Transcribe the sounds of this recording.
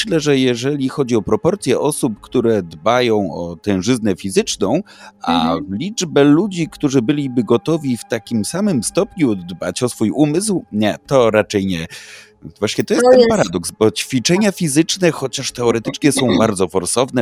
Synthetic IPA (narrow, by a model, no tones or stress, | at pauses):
ɕlɛʐɛjɛʐɛlʲixɔd͡ʑiɔpɾɔpɔɾt̪sʲjɛʔɔsup̚kt̪uɾɛd̪bajɔ̃w̃ɔ̰t̪ɛ̃w̃ʐɘznɛfʲizɘt͡ʂnɔ̃w̃a̰lʲid͡ʐbɛlud͡ʑikt̪uʐɘbɘlʲibɘɡɔt̪ɔvʲift̪akʲimsamɘmst̪ɔpɲud̪ba̰t͡ɕɔsfujumɘswɲɛt̪ɔɾat͡ʂɛjɲɛ | vwaɕɲɛt̪ɔjɛs̚ɛnpaɾad̪ɔksbɔt͡ɕfʲit͡ʂɛɲafʲizɘt͡ʂnɛxɔt͡ɕaʂt̪ɛɔɾɛt̪ɘt͡ʂɲɛsɔ̃w̃baɾd̪zɔfɔɾsɔvnɛ